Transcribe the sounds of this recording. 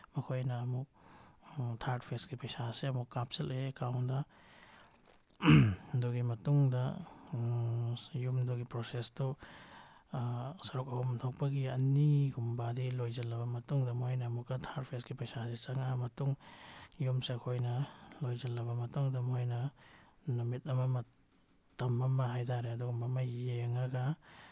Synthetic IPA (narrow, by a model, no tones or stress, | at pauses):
mɐkʰojnɐːmuk̚ | tʰaɾt̚pʰesɡipɐjsaseɐmukːap̚selekawndɐ | duɡimɐtuŋdɐ | jumduɡipɾosesto | sɐɾuk̚ɐhumtʰak̚pɐɡiɐniɡumbadilojzɐlːɐbɐmɐtuŋdɐmojnamukathaɾpʰesɡipɐjsazisaŋamɐtuŋjumseakʰojnɐlojzɐlːɐbɐmɐtuŋdɐmhojnɐ | numit̚ɐmamɐ | tɐmamaɦajtʰaɾeɐduɡɐmamajeŋaɡa